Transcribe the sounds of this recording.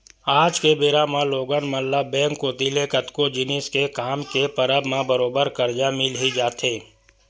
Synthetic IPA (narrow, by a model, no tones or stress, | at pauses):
aːd͡ʒkebeːɾaːmãloːɡənməlːabɛ̃ːŋkːoːt̪ilekət̪kod͡ʒɪnɪskekaːmkepəɾəbmãbəɾoːbəɾkəɾd͡ʒamɪlɦid͡ʒaːt̪eː